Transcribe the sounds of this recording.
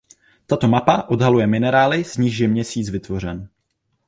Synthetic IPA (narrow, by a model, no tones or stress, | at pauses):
t̪at̪o̞mapaʔo̞dɦalujɛmɪnɛɾaːlɪz̥ɲiːʃjɛmɲɛsiːt͡svɪt̪vo̞r̝ɛn